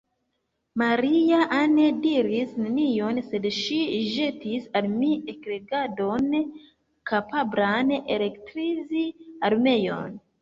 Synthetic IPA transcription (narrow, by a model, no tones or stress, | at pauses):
maɾiaʔanediɾisnenijo̞nse̞dʃiʒetisalmiekɾe̞ɡado̞n | kapablanele̞ktɾiziaɾme̞jo̞̰n